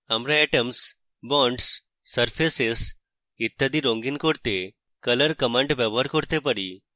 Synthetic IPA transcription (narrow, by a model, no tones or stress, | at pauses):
amɾaɛʈəms | bɔɳɖsː | əɾfʰeses | it̪ːad̪iɾõŋɡinkoɾt̪e | kələɾkəmãɳʈbɛʋəɾkɔɾt̪ep̬əɽḭ